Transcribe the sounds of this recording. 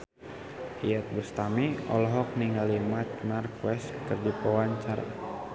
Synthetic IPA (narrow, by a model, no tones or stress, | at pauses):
ʔiɛt̪̚bəst̪amiɔ̰lɔɦɔk̚niŋɡalimat͡ʃmarkwɛst̪kərdipəwaɲt͡ʃaɾa̰